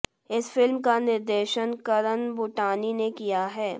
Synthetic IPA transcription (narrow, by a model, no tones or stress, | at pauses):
ɪsfɪlmkanɪɾd̪eːʃənkəɾənbʊʈaːninekijaɦɛː